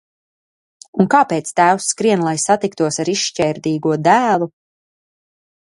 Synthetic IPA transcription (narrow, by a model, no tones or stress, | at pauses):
unkaːpet̪st̪æːwsːkɾiɛnlˠajsat̪ikt̪uɔsaɾiʃcɛːɾd̪iːɡuɔd̪æːlˠu